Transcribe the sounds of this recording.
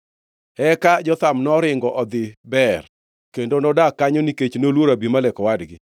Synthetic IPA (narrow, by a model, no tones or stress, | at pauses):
ɛkad͡ʒɔt̪amnɔɾɪŋɡɔʔɔd̪ɪbɛr | kendonɔdakːaɲoniket͡ʃnolwoɾabimalɛkɔwadɡɪ